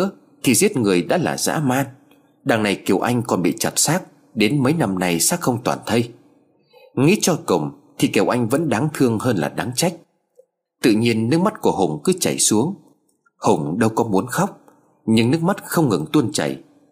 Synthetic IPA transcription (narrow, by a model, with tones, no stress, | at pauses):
ə | t̪ʰi˨˩zi˦˥ət̚ŋɨ˨˩əjɗa̰ː˧˥la̰ː˨˩za̰ː˧˥maː˧n | ɗaː˨˩ŋna˨˩jki˨˩əwʔa˧jŋ̟kɔ˨˩nɓḭ˧˨t͡ɕa˨˩t̚saː˦˥k̚ | ɗe˨˦nmə˨˦jna˧mna˨˩jsaː˦˥k̚xə˧wŋ͡mt̪waː˨˩nt̪ʰə˧j | ŋḭ˧˥t͡ɕɔ˧kə̰˨˩ŋ͡mt̪ʰi˨˩ki˨˩əwʔa˧jŋ̟və̰˧˥nɗa˨˦ŋt̪ʰɨ˧əŋhəː˧nla̰ː˨˩ɗa˨˦ŋt͡ɕa˦˥jk̟̚ | t̪ɨ̰˧˨ɲi˧ənːɨ˦˥k̚ma˦˥t̚ku˧˩əhʊ˨˩ŋ͡mkɨ˨˦t͡ɕa˧˩jsu˨˦əŋ | hʊ˨˩ŋ͡mɗə˧wkɔ˨˦mu˨˦ənxa˦˥wk͡p̚ | ɲɨ˧ŋnɨ˦˥ək̚ma˦˥t̚xə˧wŋ͡mŋɨ˨˩ŋt̪u˧nt͡ɕa̰˧˩j